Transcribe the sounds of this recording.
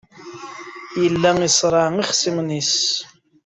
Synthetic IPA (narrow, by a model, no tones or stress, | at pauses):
jəlːæisˤɾˤɑʕiχsimnis